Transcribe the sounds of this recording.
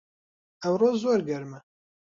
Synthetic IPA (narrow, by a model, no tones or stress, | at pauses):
ɛwroːzoːɾɡɛɾmɛ